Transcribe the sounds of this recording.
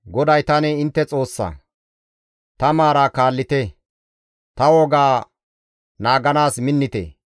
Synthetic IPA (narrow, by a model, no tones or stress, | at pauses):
ɡɔd̪ɐjt̪ɐnɛɪnt̪ːɛt͡sʼo̞ːsːɐ̰ | t̪ɐmaːɾaːkaːlːɪt̪ɛ | t̪ɐwɔɡaː | naːɡɐnaːsmɪnːɪt̪ḛ